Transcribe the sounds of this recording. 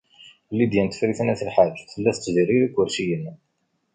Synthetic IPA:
lːid̪jænt̪ə̥fɾiθnæθəlħad͡ʒθəlːæθə̥t͡sːziriɾikːʊɾʃijən

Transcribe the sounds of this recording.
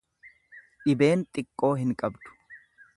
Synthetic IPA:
ᶑɪbeːnt̪ʼɪkʼːo̞ːɦɪŋkʼɐbd̪ʊ̥

